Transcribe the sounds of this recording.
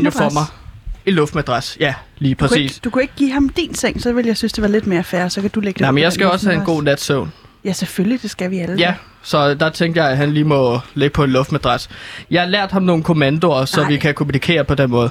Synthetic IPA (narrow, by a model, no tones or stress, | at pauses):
nɒmɑenlɔfd̥mæd̥ʁɑsjæliːpʰʁɛsḭːsd̥ukʰue̝ɡ̥əɡ̥ḭːɦɑ̈md̥ḭnseŋ̰sɒ̽ʋe̝ljɑ̈ɪsynsd̥e̝ʋɑ̈le̝d̥me̝ːɐfæːɐsɒ̽kʰæd̥uleɡ̥ə̥d̥ɪmenjɑɪsɡ̥æjɒ̽shæe̝nɡo̝̰ːnæd̥sœʊn | jæseføllid̥e̝sɡ̥æʋiæljæ | sɒ̽d̥ɑ̈t͡sʰeŋɡd̥jɑ̈ɪæɦænliːmɒ̽le̝ɡ̥əpʰɒ̽enlɔ̽fd̥mæd̥ʁɑsjɑ̈ɪhɑ̈læɐ̰d̥hɑ̈mno̝ːn̩kʰo̝mænd̥o̝ɐsɒ̽ʋikʰækʰomunikʰe̝̰ːɐpʰɒ̽d̥enmɔ̽ːð̞̩ˠ